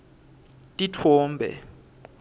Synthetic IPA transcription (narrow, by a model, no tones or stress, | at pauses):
tʼitʰɔːmbʱɛ̰